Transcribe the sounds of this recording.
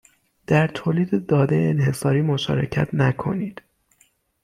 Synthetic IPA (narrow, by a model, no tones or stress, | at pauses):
d̪̥æɾt̪ʰoːliːd̪ed̪ɒːd̪ejeenhe̞sɒːɾiːmoʃɒ̰ːɾe̞̰cʰæ̰t̪ʰnækʰo̞̰niːd̪̥